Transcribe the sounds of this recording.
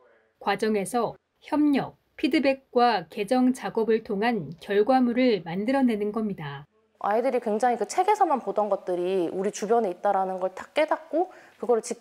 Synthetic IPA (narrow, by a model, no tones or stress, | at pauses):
kwad͡ʑʌŋe̞sʰʌ | çjʌmɲʌk̚pʰidɯbe̞k̚k͈wake̞d͡ʑʌŋt͡ɕaɡʌbɯɭtʰoŋɦankjʌɭɡwamuɾɯɭmandɯɾʌne̞nɯnɡʌmɲida | a̰idɯɾikwe̞ŋd͡ʑaŋikɯt͡ɕʰe̞ɡe̞sʰʌmanpodʌnɡʌt̚t͈ɯɾiuɾit͡ɕubjʌneit̚t͈aɾanɯnɡʌɭtʰḁk̚k͈e̞dak̚k͈okɯɡʌɾɯɭt͡ɕi